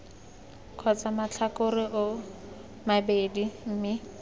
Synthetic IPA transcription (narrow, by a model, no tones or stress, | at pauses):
kʰɔt͡samat͡ɬʰakʊrɪʔʊ | mabedim̩ːmɪ